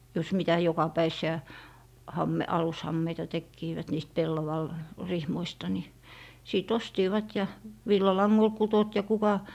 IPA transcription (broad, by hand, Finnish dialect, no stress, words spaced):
jos mitæ jokɑpæisˑiæ hɑmːe ɑlushɑmːeitɑ tekːiːʋæt niːst pelːɑʋɑl rihmoistɑ ni siˑt ostiːʋɑt jɑ ʋilːɑlɑŋːol kutot jɑ kukɑ